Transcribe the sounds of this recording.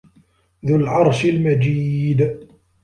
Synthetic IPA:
ðʊlʕɑɾˤʃɪlmad͡ʒiːd̪

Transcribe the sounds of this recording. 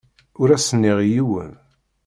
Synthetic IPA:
ʊɾæsənːiʁjiwə̰n

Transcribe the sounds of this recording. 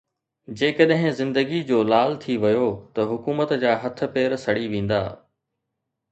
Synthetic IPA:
d͡ʑeːkəɗɦɪ̃zɪ̃nd̪əɡid͡ʑoːlaːlt̪ʰiʋɐjot̪ɐɦʊkuːmət̪d͡ʑaːɦɐt̪ʰʊ̆peːɾsɐɽiʋẽːn̆d̪a̰ː

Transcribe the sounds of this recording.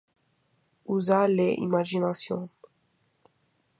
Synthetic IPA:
uzaleʔḭmaʒinasjɔ̃

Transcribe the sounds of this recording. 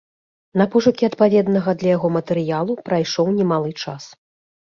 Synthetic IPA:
nɐpɔʐɐkʲiɐt̪pavʲɛd̪nɐɣɐd̪lʲɐjaɣɔmɐt̪ɛɾɨjalˠupɾajʂɔwnʲɛmalˠɨt͡ʂas

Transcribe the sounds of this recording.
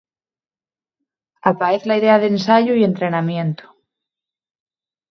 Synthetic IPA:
apaeθlaiðe̞aðensaʝoie̞nt̪ɾe̞namjẽ̞nt̪o̥

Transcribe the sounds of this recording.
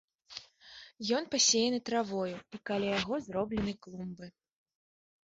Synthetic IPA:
jɔn̪pasʲejɛnɨt̪ɾavɔjuikalʲajaɣɔzrɔblʲɛnɨklˠumbɨ

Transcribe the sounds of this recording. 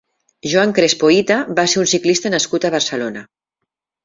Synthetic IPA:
ʒuaŋkɾespoit̪abaseɾunsiklist̪ənəskut̪əβəɾsəlona

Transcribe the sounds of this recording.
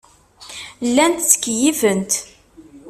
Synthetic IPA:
lːænt̪t͡sːə̥kːjivənt̪

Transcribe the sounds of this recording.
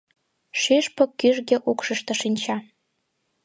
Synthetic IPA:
ʃeʃpŏkːyʒɣĕʔukʃə̆ʃt̪ɤ̆ʃinʲt͡ɕɑ

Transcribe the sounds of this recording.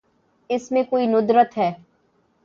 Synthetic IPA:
ɪsmẽkoːinʊd̪ɾət̪ɦɛː

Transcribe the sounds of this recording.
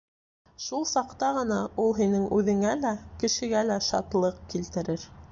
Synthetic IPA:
ʃulˠsɑqt̪ɑʁɤ̆nɑulˠɦinɘŋʉðɘ̆ŋælækɘ̆ʃɘ̆ɡælæʃɑ̰t̪lˠɤq̚kilt̪ɘ̆ɾɘɾ

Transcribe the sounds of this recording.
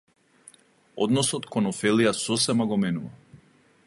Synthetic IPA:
ɔ̰d̪nɔsɔt̪kɔnɔfɛlijasɔsɛmaɡɔmɛnuva̰

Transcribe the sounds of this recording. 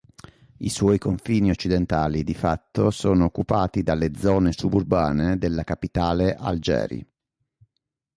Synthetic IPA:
ḭswɔːjkoɱfiːniot͡ʃːid̪ent̪aːlid̪ifat̪ːosoːnoːkːupaːt̪id̪alːed̪zɔːnesuburbaːned̪elːakapit̪aːleʔa̰ld͡ʒɛ̰ːɾḭ

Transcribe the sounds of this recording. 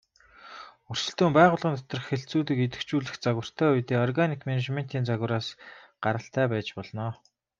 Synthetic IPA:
ur̥sɘ̆ɬt̪uːmpæːʁʊːɮʁiːnt̪ɔ̥t̪ɞ̆rə̆χxeɬt͡suːt̪ĭket̪ɘ̆kt͡ɕuːɮɘ̆xt͡saɣwə̆r̥t̪ʰæːujt̪eːɔrɣanikmeneʃmen̥t̪iːnt͡saɣw̆ɾaːsɢ̥aɾə̆ɬt̪ʰæːpæːt͡ɕpɔɮnɔː

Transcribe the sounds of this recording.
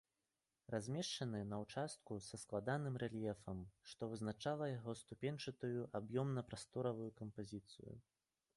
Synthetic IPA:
razʲmʲɛʂt͡ʂɐnɨnɐwt͡ʂast̪̚kusɐsklˠad̪anɨmrɛlʲjɛfɐmʂt̪ɔvɨznat͡ʂalˠɐjaɣɔst̪upʲenʲt͡ʂɨt̪ujuʔabjɔmnɐpɾast̪ɔɾɐvujukɐmpazʲit̪sɨ̰jṵ

